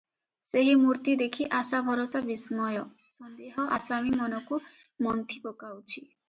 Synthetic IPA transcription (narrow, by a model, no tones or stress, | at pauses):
seɦimuɾt̪id̪ekʰiʔasabʱɔɾosabismɔjɔ | sɔnd̪eɦɔʔasamimɔnɔku | mɔnt̪ʰipokawt͡ʃʰi